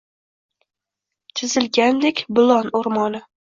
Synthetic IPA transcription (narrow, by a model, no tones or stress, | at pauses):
t͡ʃʰɪzɪlɡʲand̪ekʲbʊlˠɒnoɾmɒnɪ